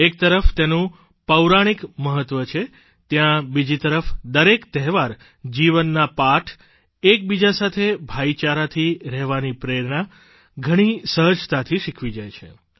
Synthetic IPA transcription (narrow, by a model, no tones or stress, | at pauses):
ek̚t̪əɾəft̪enũ | pəwɾaɽ̃ikməɦət̪ʋət͡ʃʰe | t̪jãbid͡ʒit̪əɾəfd̪əɾekt̪ɛɦʋaɾ | d͡ʒiʋənːapaʈʰ | ek̚bid͡ʒasat̪ʰebʱait͡ʃaɾat̪ʰiɾɛɦʋanipɾeɾɳa | ɡʱəɽ̃isəɦəd͡ʒt̪at̪ʰiʃikʰʋid͡ʒajt͡ʃʰḛ